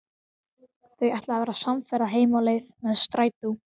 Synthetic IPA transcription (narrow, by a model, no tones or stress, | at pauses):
θejɛjht̪laavɛːɾasamfɛɾaɦeːjmalejðmɛðst̪ɾaːjt̪u